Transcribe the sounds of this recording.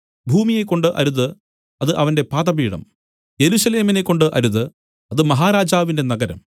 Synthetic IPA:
bʱuːmije̞kːo̞ɳɖɨʔɐ̰ɾuðɨ | ɐðɨʔɐʋɐnde̞paːt̪ɐbiːɽɐ̰m | je̞ɾusɐle̞ːmine̞kːo̞ɳɖɨʔɐɾuðɨ | ɐðɨmɐɦaːɾaːd͡ʑaːʋinde̞nɐɡɐɾɐ̰m

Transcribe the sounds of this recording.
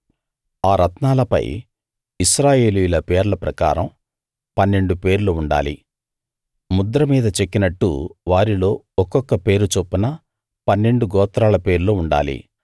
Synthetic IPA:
aːɾɐt̪naːlɐpɐ̰j | isɾaːje̞ːlujulɐpeːɾlɐpɾɐka̰ːɾɐ̰m | pɐnːe̞ɳɖupe̞ːɾluuɳɖa̰ːlḭ | mud̪ɾɐmiːd̪ɐt͡ʃekːinɐʈːṵʋaːɾilo̞ː | ɔkːɔkːɐpe̞ːɾut͡ʃopːunɐ | pɐnːe̞ɳɖuɡɔːt̪ɾaːlɐpe̞ːɾluuɳɖa̰ːlḭ

